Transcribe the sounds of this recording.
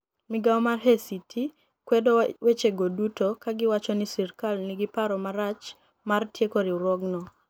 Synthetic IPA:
mɪɡaɔmarɦesitʰi | kwedowet͡ʃeɡodutokaɡɪwat͡ʃɔnisirkalnɪɡɪpaɾɔmaɾat͡ʃ | martjekoɾiuɾɔɡnɔ

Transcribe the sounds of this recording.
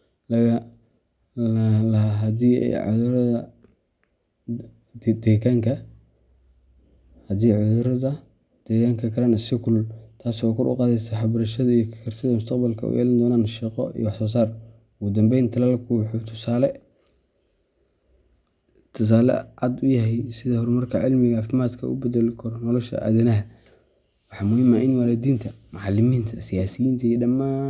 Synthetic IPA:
lɐɣɐ | lɐɦaɦɐd̪iːɛ̰jʕɑ̰ðʊɾɐðɐ | d̪ɛːkaːŋkʰɐ | hɐd̪iːʕʊðʊɾɐðɐ | d̪̥ɛːɣaːŋkʰɐkʰɐɾaːnɪsɪkʰʊlʊlt̪ʰaːswɔːkʰɔrʊ̰qɑːðɛsɛħɑbɾɐʃɐðɐijɞkʰɐkʰɐrsɪðɐmʊst̪ʰɐqbɐlkʰɐʊ̰jɛ̰ːlɐnd̪ɔːnaːnʃiːqɔ̰ḭwħsɔːs̬aːr | ʊɣʊd̪ɐmbɛjnt̪ʰɐlɐlɐkʰuːħut̪ʰʊ̥saːlɛ | t̪ʰʊs̬aːlɛ̰ʕɑd̪ʊjɐɦɛjsɪðɐhɔɾmɐrkʰɐʕɪlmɪɣɐaːfɪmaːd̪kʰɐʔʊ̰bɛðɛlkʰɔɾnɔlɔʃɐ̰ʔa̰ːðɪnɐɦɐ | wɑħɑːmʊhɪmaʔɪnwalɛd̪iːnt̪ʰɐmɑʕɑlɪmiːnt̪ʰɐsɪjaːsɪjiːnt̪ʰɐijdɐmaː

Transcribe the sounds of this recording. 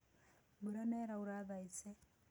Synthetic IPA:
buɾanɛɾauɾaðaisɛ

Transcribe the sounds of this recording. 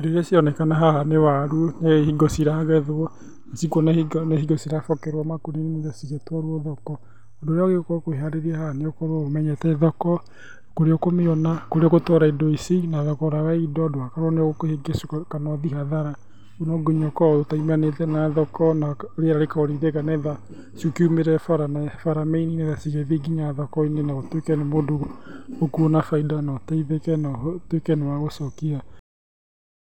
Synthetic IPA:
doiɾesiɔnɛkanaɦahanewaɾunehiɡosiɾaɣɛðoɔ | nasikwɔnehiɡnehiɡosiɾafɔkɛɾwɔmakoɾinemoðasiɣetwɔɾwɔðɔkɔ | ɔndoːɾeɔɣeɣkokoeaɾeɾiɛhaneokoɾomɛɲɛtɛːðɔkɔ | koɾeokomeɔnakoɾeɔɣotɔɾaedoisinaðɔkɔɾawaidɔːdoakaɾoneɣokoheɡesukanɔðiɦaðaɾa | unɔɡeɲɔkɔotaimanetɛnaðɔkɔnaoɾeaɾaɾekaɔɾiðekanɛða | sukeumeɾɛfaɾanɛfaɾameininɛðasiɣɛðiɡiɲaðakɔinenaɣotwekɛnemodookuonafaidanɔtaiðekɛnɔtwekɛnewaɣosɔkia

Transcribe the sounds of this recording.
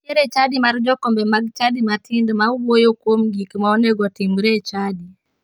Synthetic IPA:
eɾet͡ʃadimaɾd͡ʒɔkɔmbɛmaɡt͡ʃadimatʰindmauwojokwomɡikmaɔnɛɡɔtimɾet͡ʃadi

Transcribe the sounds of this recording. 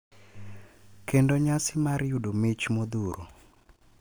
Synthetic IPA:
kendoɲasɪmaɾjudomɪt͡ʃmod̪uɾo̰

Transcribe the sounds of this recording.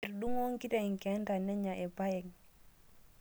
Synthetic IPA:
iɾɗuŋwoŋkitaiŋkɛntanɛɲaʔɛpajɛŋ

